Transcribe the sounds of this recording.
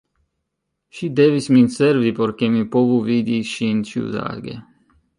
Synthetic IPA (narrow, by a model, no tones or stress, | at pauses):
ʃid̪ɛvisminsɛɾvipɔɾkemipovuvid̪iʃint͡ʃṵza̰ɡḛ